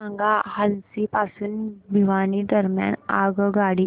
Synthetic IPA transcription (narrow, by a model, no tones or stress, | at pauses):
əŋɡahənsipasuːnbʱiʋanid̪əɾmja̰na̰ɡɡaɽi